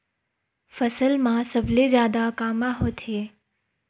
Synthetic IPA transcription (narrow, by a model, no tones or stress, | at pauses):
fəsəlmãsəblezjaːd̪akaːmãɦot̪ɦeː